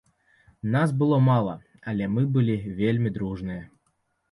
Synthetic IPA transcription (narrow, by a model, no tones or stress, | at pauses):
nas̬bɨlˠɔmalˠɐ̰ | ɐlʲɛmɨbɨlʲivʲelʲmʲid̪ɾuʐnɨjɐ